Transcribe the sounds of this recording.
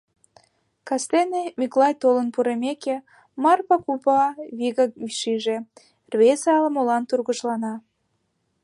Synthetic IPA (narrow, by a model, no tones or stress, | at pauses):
kɑst̪enemiklɑjt̪olənpuɾemeke | mɑrpɑkupɑβiɣɑkyʃiʒe | rβesɑləmolɑnt̪urɣəʃlɑnɑ